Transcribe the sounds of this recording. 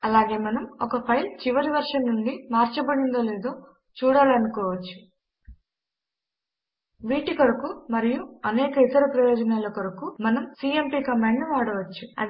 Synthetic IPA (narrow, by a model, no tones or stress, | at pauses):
ɐlaːɡe̞ːmɐnɐmɔkɐpʰɐjlt͡ʃiʋɐɾiʋɐɾʂɐnːuɳɖimaːɾt͡ʃɐbɐɽind̪oːleːd̪oː | t͡ʃuːɽaːlɐnukɔːʋɐt͡ʃːu̥ | ʋiːʈikɐɾɐkumɐɾijuɐnɛːkɐit̪ɐɾɐpɾɐjɔːd͡ʒɐnɐːlɐkɐɾukumɐnɐmsiːempiːkɐmeːɳɖnuʋaːɽɐʋɐt͡ʃːuɐ̰